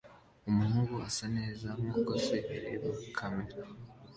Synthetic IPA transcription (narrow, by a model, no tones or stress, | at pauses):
umunuβuasaneːzamŋakoseɾiβakʰameɾa